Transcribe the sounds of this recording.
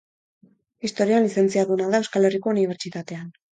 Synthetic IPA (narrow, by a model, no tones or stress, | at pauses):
ist̪o̞ɾioanlise̞nt͡siaðunaðae̞wskale̞riko̞uniβ̞e̞ɾt͡ʃit̪at̪e̞an